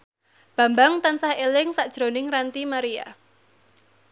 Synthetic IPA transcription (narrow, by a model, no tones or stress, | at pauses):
b̥ä̤mbaŋt̪ansahelɪŋsaʔd̥ʒ̥ɾonɪŋrant̪imaɾija̰